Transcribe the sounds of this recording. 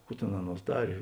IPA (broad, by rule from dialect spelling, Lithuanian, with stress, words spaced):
ˈkuː tʲeːn ˈɑːˌnuɔs ˈdɑːrʲeː